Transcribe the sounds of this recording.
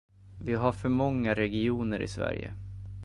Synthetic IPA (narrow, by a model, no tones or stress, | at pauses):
vɪɦaɾfœɾmɔŋːaɾɛɡɪuːnəɾɪ̰svæ̰ɾjə̰